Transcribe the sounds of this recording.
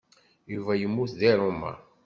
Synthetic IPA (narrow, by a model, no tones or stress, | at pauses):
juvæjəmːuθðiɾˤumːa̰